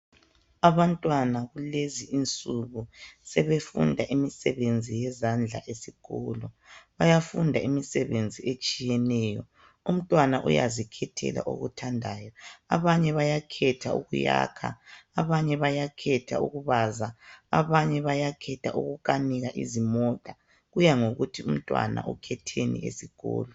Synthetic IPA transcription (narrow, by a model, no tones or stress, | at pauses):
aβantʼwanaɣuleziʔint͡sʼuɣusɛβefṵndʱaʔimisɛβend͡zʱijɛzand͡ɮʱa̰ʔesiɣɔ̰lɔ | βajafundʱaimisɛβend͡zʱiet͡ʃʼijɛnɛːjɔ̰ | um̩tʼwanaʔṵja̰zikʰɛtʰɛ̰la̰ʔo̰ɣṵtʰandʱaːjɔaβaɲɛβajakʰɛtʰaṵɣuja̰kʰa̰ːβaɲɛβajakʰɛtʰauɣuβazaa̰βaɲɛβajakʰɛtʰaʔuɣukʼaniɣaʔḭzimɔtʼa | ɣujaŋoɣutʰium̩tʼwa̰na̰ʔukʰɛtʰenḭḛsiɣɔ̰ːlɔ